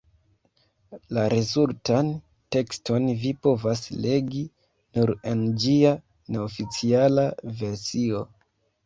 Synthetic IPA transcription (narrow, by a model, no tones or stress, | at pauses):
laɾezultan | te̞ksto̞nvipo̞vasle̞ɡi | nuɾe̞nd͡ʒia | ne̞ofit͡sialave̞ɾsio̞